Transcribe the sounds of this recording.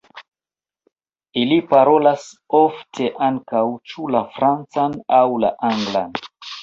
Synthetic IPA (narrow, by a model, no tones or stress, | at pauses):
ilipaɾo̞lasoftʰe̞ʔaŋkawt͡ʃulafɾant͡sanawla̰ʔaŋɡla̰n